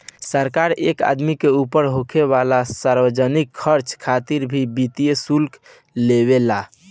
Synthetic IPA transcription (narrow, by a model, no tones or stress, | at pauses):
səɾkaɾḛka̰d̪mikeupəɾɦokʰeβalasaɾbəd͡ʒənikʰːəɾt͡ʃkʰːat̪iɾbʱibit̪ijesulk | leβela